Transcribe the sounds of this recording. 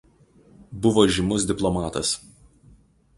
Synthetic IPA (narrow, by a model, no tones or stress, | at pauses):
bʊʋoːʒʲɪmʊs̬d̪ʲɪplˠɔmɑːt̪ɐs